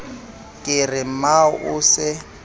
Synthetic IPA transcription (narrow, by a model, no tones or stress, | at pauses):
kʼɪrɪm̩maʊʔʊsɪ